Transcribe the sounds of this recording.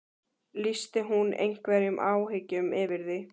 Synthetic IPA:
list̪ɪɦunḛjŋ̥kvɛɾjʏmʔaːwɦɪcʏmɪːvɪɾðɪ

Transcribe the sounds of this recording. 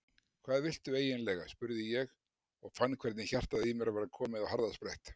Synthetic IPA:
kʰv̥aːðvɪl̥t̪ʏeːjɪnlɛɣaspʏɾðɪjɛɣ | ɔɣfanːkʰvɛɾt̪nɪçar̥t̪aðimɛɾvaɾkʰɔːmɪðawhaɾðaspɾajht̪

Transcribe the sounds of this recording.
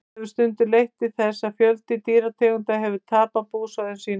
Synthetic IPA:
vʏ̥st̪ʏnt̪ʏlejht̪ɪθɛsːafjœlt̪ɪt̪iːɾat̪ʰɛːɣʏnt̪aɦɛvʏt̪ʰaːpapuːsaðɪnsiːn

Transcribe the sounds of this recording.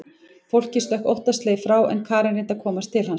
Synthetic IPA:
fowl̥cɪslœhko̰wht̪ast̪leːjfɾawʔɛ̰nkʰaːɾɛɾɪnt̪akʰɔːmast̪ʰɪlɦhan

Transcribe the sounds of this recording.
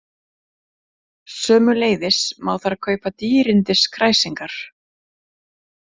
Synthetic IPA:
sœːmʏleːjðɪsmaːwθaɾakʰœːɥpat̪iːɾɪnt̪ɪskʰɾajsiŋkaɾ̥

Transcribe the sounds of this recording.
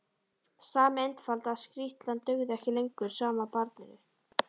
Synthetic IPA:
saːmejnt̪falt̪askɾiht̪lant̪œɣðɛhcɪlejŋkʏɾ̥saːmapaɾt̪nɪðɪ̥

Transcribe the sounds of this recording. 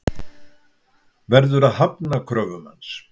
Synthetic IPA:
vɛɾðʏɾaðhapnakʰɾœːvʏma̰ns

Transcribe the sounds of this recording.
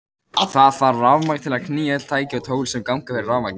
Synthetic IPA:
θθaðfaɾrawmakt̪ʰɪlaðkʰniːjaɛɛt̪l̥t̪ʰaːjcɪɔt̪ʰoːwɣlsɛmkawŋkafɛɾɪrawvmak̪

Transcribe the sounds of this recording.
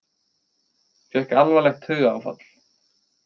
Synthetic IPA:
fɛhkalvɛlɛxt̪hʏɣawfa̰t̪l̥

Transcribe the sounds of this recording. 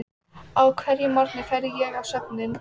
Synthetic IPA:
awkʰvɛɾjɪmɔɾk̪nɪfɛɾjɛɣawsœp̚nɪn

